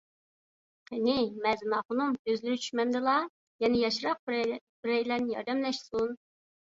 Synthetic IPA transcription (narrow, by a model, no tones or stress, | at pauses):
qʰɪnɪmɛznɑːχʊnumøzlɪɾɪt͡ʃʰy̥ʃmɛnd̪ɨlˠɑ | jɛnɪjɑʃɾɑq̚ | bɾɛjlɛɾnɪjɑ̰ɾd̪ɛmlɛʃsun